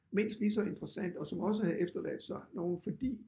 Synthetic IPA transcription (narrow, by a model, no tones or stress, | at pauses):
me̝n̰sd̥lisɒe̝nd̥ʁɐsæn̰d̥ɒ̽sɒ̽mɒ̽s̬əhæð̩ˠefd̥ɐlæ̰d̥sɑ̈ɪno̝ːn̩fɒ̽d̥ḭː